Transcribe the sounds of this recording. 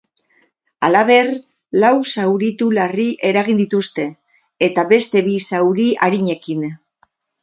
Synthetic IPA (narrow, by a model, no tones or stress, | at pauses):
alaβe̞r | lawsawɾit̪ulariʔe̞ɾaɣ̞ind̪it̪ust̪e̞ː | t̪aβe̞st̪e̞βisawɾiʔaɾiɲe̞kin